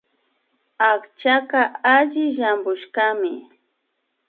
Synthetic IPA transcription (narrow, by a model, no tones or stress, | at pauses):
akt͡ʃakaaʎɪʒambʊʃkamɪ